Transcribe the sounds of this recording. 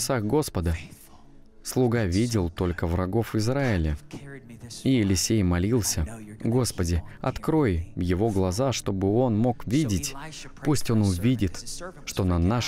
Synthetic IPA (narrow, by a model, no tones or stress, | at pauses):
saxɡo̞spəd̪ə | slˠʊɡavʲidʲɪlˠt̪o̞lʲkəvrɐɡo̞fɨzɾaɪlʲə | iɪlʲɪsʲejmɐlʲilˠsʲəɡo̞spədʲɪɐ̰t̪kɾo̞jvjɪvo̞ɡlˠɐzaʂt̪o̞bɨo̞nmo̞kvʲidʲɪtʲ | pusʲtʲo̞nʊvʲidʲɪt̪ʂt̪o̞nɐnaʂ